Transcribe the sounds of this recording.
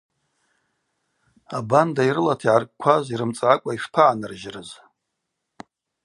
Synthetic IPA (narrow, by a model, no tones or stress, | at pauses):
abandaiɾɨlatʰiʕarkʼkʷʰaziɾɨmt͡sʼaʕakʷʼaiʂpʰaʕanɨrʒrɨz